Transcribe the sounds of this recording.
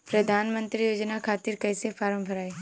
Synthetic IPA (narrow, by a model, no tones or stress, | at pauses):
pɾɐd̪ʱaːnmə̃nt̪ɾijoːd͡ʒnakʰaːt̪ɪɾkɐːsefʰaːɾə̃mbʱɐɾaːe